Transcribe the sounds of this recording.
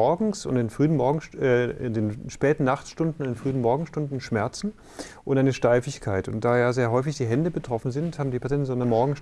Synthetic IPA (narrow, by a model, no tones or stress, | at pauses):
ɔɐɡŋ̩sʊ̰ntɪnfʁ̥yːənmɔɐɡŋ̩ɛɪ̰ndeːnʃpɛːtn̩naχtʃtʊndn̩ʊndenfʁ̥yːənmɔɐɡŋ̩sʃtʊndn̩ʃmɛɐt͡sn̩ | ʔʊntʔaɪnəʃtaɪfɪçkʰaɪtʊ̰nt̚d̥aːjaːzeːɐɦɔʏfɪçd̥iːɦɛndəbətʁ̥ɔfn̩zɪnthaːbm̩diːpʰat͡sɛntnzonɐmɔɐɡŋ̩s